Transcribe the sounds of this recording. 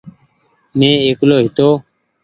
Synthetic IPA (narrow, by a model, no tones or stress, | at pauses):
mẽːeːkloːɦɪt̪oː